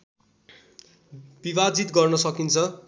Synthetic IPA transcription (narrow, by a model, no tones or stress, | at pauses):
bibad͡zit̪ɡʌrnʌsʌkint͡sʰʌ